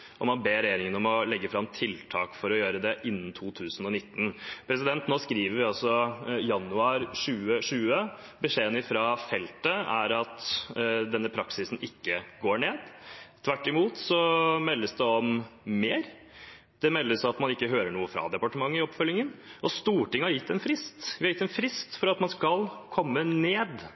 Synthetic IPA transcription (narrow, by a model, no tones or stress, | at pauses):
ʔɔmɑnbeːɾɛjeːɾɪŋənɔmɔlɛɡːəfɾɑmt̪ʰɪlt̪ʰɑ̰ːkfɔɾɔjøːɾəd̪ɛʔɪnːn̩t̪ʰuːt̪ʰʉːsn̩ɔnɪt̪ːn̩pʰɾɛsɪd̪ɛnt̪noːskɾiːʋəɾʋɪɑlsɔjɑnʉɑːɾʂʉːəʂʉːə | bəʂeːənɪfɾɑːfɛlt̪əæ̰ɾɑt̪d̪ɛnːəpʰɾɑksɪsn̩ɪkːəɡoːɳeːd̪t̪ʰʋæʈːɪmuːt̪sɔmɛlːəsd̪ɛɔmːeːɾ | d̪̥ɛmɛlːəsɑt̪mɑnɪkːəɦøːɾəɳuːəfɾɑ̰d̪ɛpɑʈəmɑŋːəɪɔpfœlːɪŋːənʔɔst̪uːʈɪŋːəhɑɾjɪt̪ːɛnfɾɪst̪ʋɪhɑɾjɪt̪ːɛnfɾɪst̪fɔɾɑt̪mɑnskɑlkʰɔmːəneːd̪